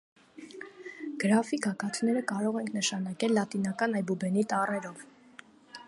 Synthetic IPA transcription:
ɡ̥əɾɑfikɑkɑt̪ʰnɛɾəkɑɾɔʁɛŋkʰnəʃɑnɑkɛlːɑt̪in̪ɑkɑnɑjbubɛnit̪ɑrɛɾɔv

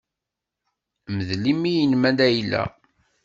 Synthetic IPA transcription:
məðlimːijənmæd̪æjlːæ̰

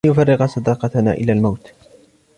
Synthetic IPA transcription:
jʊfɑrːɪqsˤɑd̪ɑːqɑt̪ana̰ːʔɪ̰laːlmawt̪

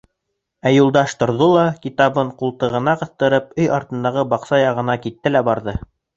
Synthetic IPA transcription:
æjulˠd̪ɑʃt̪ŏɾðolˠɑkit̪ɑβɤɴqulˠt̪ɤ̆ʁɤ̆nɑqɤ̆θt̪ɤ̆ɾɤp̚ɵjɑɾt̪ɤ̆nd̪ɑʁɤbɑqsɑjɑʁɤ̆nɑkit̪ːɘlæbɑɾðɤ

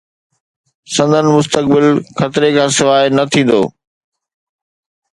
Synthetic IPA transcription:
sɐ̃nd̪ʱənɪ̆mʊs̬t̪ək̚bɪlxɐt̪ɪɾekʰãːsɪʋaːɦɪnɐt̪ʰĩːn̆d̪o̰ː

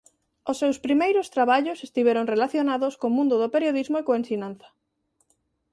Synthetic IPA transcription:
osːewspɾimejɾʊst̪ɾaβaʎʊsest̪iβɛɾoŋrelaθjonaðoskomũnd̪ʊðopeɾjoðizmoekoensinãnθɐ̥

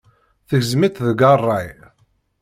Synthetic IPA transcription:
θəɣzmit̪ðəɡɑrˤːɑj

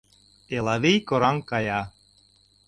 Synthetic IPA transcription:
elˠɑβejkoɾɑŋkɑjɑ

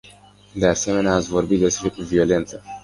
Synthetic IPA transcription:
d̪e̞ase̞me̞neaːt̪sʲvo̞rbit̪d̪e̞spɾevio̞le̞nt̪sə

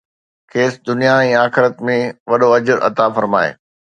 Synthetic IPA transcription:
kʰeːsd̪ʊnijaɛ̃ːaːxɪɾət̪mẽʋɐɗoɐd͡ʑəɾʔɐ̰t̪afɐɾma̰ːḛː

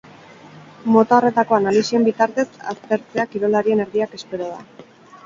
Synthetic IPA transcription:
mo̞t̪ao̞re̞t̪ako̞analisie̞mbit̪aɾt̪e̞sa̰st̪e̞ɾt͡seakiɾo̞laɾie̞ne̞ɾðiake̞spe̞ɾoð̞a

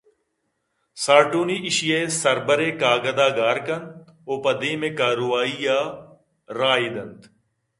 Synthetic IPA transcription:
saːɾʈuːniːʔɪʃijeːsɐɾbəɾeːkaːɡəd̪aːɡaːɾkɐnt̪̚ | oːpəd̪eːmẽːkaːɾoʋaːijaː | ɾaːiːd̪ɐnt̪

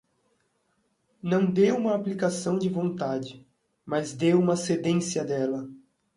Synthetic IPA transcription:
nɐ̃w̃d̪ewũmɐːplikasɐ̃w̃d͡ʒɪvõnt̪ad͡ʒɪ | mɐzd̪ewũmɐsed̪ẽsiɐd̪ɛlɐ

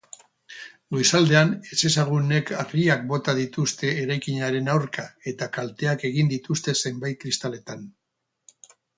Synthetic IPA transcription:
ɡo̞jsald̪e̞ane̞t͡se̞saɣ̞une̞kʰariak̚bo̞t̪aðit̪ust̪e̞ːɾajkiɲaɾe̞nawɾkae̞t̪akalt̪e̞ake̞ɣ̞ind̪it̪ust̪e̞se̞mbajt̪̚kɾist̪ale̞t̪an

